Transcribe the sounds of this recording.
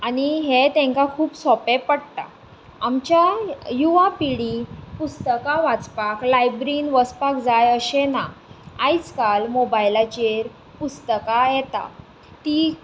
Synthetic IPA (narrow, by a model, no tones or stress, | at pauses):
añiɦet̪ẽŋkakʰuːpsɔpepəɽt̪a̰ | amt͡ɕjajuʋapiɽipust̪əkaʋat͡spaklajbɾiːnʋəspakd͡zajəɕenaajt͡skalmobajlat͡ɕeɾ | pust̪əkajɛt̪a̰ | t̪iː